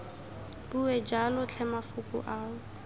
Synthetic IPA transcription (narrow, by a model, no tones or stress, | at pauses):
buɛd͡ʒalʊt͡ɬʰɛmafʊkʼʊ̰ʔaːʊ